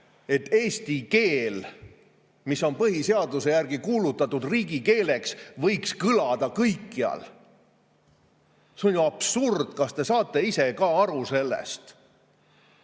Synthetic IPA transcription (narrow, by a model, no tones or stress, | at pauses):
e̞t̪ːe̞ːsʲt̪ike̞ːl | miso̞npɤhise̞ɑd̪use̞jærɡikuːlut̪ːˑɑt̪ːud̪̥riːɡike̞ːle̞ksvɤjkskɯlɑd̪̥ɑkɤjkːiɑ̰l | seo̞nʲjuɑb̥surd̪̥kɑst̪e̞sɑːt̪ːˑe̞ise̞kɑɑɾuse̞lːḛst̪